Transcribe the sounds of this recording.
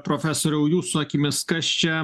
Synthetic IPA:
pɾoːfʲæsoːɾʲɛʊjuːsʊɐkʲimʲɪskɐst͡ʃʲɛ

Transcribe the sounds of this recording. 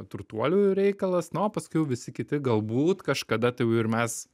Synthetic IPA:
t̪ɾʊt̪uɔlʲuːjʊɾʲɛɪkɐlˠɐsnopɐskʊɪjɛʊʋʲɪsʲɪkʲɪt̪ʲɪɡɐlˠbuːt̪kɐʃkɐd̪ɐt̪ɐjɛʊɪɾmʲɛs

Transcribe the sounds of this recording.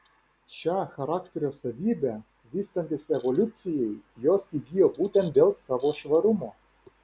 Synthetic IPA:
ʃʲɑxɐɾaːkt̪ʲeɾʲosɐʋʲiːbʲɛ | ʋʲiːst̪ɐnʲt̪ʲɪsɛʋɔlʲʊt̪sʲɪjɛjjoːsiɡʲijoːbuːt̪ʲɛnt̪̚d̪ʲeːlˠsɑːʋoːʃʋɐɾʊmoː

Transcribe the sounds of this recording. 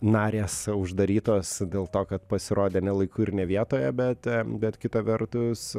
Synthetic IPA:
nɑːɾʲeːsʊʒd̪ɐɾʲiːt̪oːsd̪ʲeːlˠt̪oːkɐt̪pɐsʲɪɾoːd̪ʲeːnʲɛlˠɐɪkʊːɪɾnʲɛʋʲiɛt̪oːjɛbʲɛt̪bʲɛt̪kʲɪt̪ɐʋʲɛɾt̪ʊs

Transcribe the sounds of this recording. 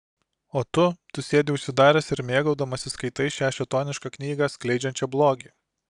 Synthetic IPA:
oːt̪ʊt̪ʊsʲeːd̪ʲɪʊʃʲsʲɪd̪ɑːɾʲɛsɪɾmʲeːɡɐʊd̪ɐmɐsʲɪskɐɪt̪ɐɪsʃʲæːʃʲɛt̪oːnʲɪʃkɑknʲiːɡɐsklʲɛɪd͡ʒʲɛnʲt͡ʃʲɛblˠoːɡʲiː

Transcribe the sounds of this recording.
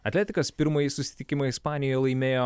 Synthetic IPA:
ɐt̪ʲlʲæːt̪ʲɪkɐspʲɪɾmɐjisʊsʲɪ̥t̪ʲɪkʲɪmɐɪɪspɑːnʲɪjoːjɛlˠɐɪmʲeːjoː

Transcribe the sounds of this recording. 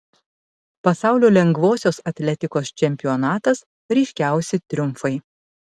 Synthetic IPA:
pɐsɑˑʊlʲoːlʲɛŋɡʋoːsʲoːsɐt̪ʲlʲɛt̪ʲɪkoːst͡ʃʲɛmʲpʲɪjɔnɑːt̪ɐs | ɾʲɛɪʃʲkʲæˑʊsʲɪt̪ʲɾʲʊmˑfɐɪ

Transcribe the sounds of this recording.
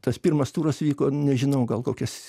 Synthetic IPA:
t̪ɐspʲirmɐst̪uːɾɐsʋʲiːkoːnʲɛʒʲɪnɐʊɡɐlˠkoːkʲɛs

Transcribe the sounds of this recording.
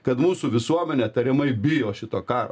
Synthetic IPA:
kɐt̪muːsuʋʲɪsuɔmʲɛnʲɛt̪ɐɾʲɪmɐɪbʲɪjoːʃʲɪt̪oːkɑːɾo̰

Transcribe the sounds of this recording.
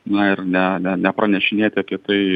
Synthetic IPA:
nɐɪɾnʲɛnʲɛnʲɛpɾɐnʲɛʃʲɪnʲeːt̪ʲɪɐpʲiɛt̪ɐɪ

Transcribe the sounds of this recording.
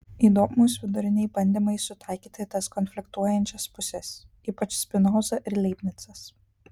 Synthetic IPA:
iːd̪oːmoːsʋʲɪd̪ʊɾʲɪnʲɛɪbɐnʲd̪ʲiːmɐɪsʊt̪ɐˑɪkʲiːt̪ɐt̪ɐskɔnʲfʲlʲɪkt̪uɔjɛnʲt͡ʃʲɛspʊsʲɛs | iːpɐt͡ʃʲsʲpʲɪnoːzɐʔɪɾlʲɛɪpʲnʲɪt̪sɐs

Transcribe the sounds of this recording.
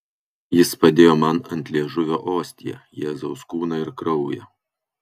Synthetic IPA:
jɪspɐd̪ʲeːjoːmɐnɐnʲt̪ʲlʲiɛʒʊʋʲoːʔoːsʲt̪ʲijɛ̰jɛːzɒʊskuːnɐɪɾkɾɒʊjɛ̰

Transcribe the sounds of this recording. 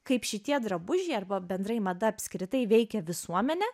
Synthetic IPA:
kɐɪpʃʲɪt̪ʲiɛd̪ɾɐbʊʒʲɛɪɐrbɐbʲɛnd̪ɾɐɪmɐd̪ɐɐpʲsʲkɾʲɪt̪ɐɪʋʲɛɪkʲɛʋʲɪsuɔmʲɛnʲɛ

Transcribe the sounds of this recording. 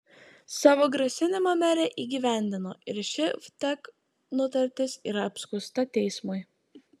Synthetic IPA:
sɑːʋoːɡɾɐsʲɪnʲɪmomʲæɾʲeʔiːɡʲiːʋʲæˑnʲd̪ʲɪnoːʔɪɾʃʲɪft̪ʲɛk | nʊt̪ɐɾʲt̪ʲɪsiːɾɐɐpʲskʊst̪ɐt̪ʲɛɪsmʊɪ

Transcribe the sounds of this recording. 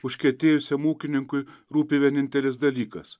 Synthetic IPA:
ʊʃʲkʲɛt̪ʲeːjʊsʲɛmoːkʲɪnʲɪŋkʊɪɾuːpʲeːʋʲɛnʲɪnʲt̪ʲɛlʲɪs̬d̪ɐlʲiːkɐs

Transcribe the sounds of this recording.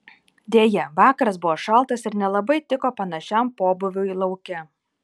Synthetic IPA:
d̪ʲeːjɛʋɑːkɐɾɐs̬bʊʋoːʃɐlˠˑt̪ɐsɪɾnʲɛlˠɐbɐɪt̪ʲɪkoːpɐnɐʃʲɛmpoːbʊʋʲʊilˠɐʊkʲɛ

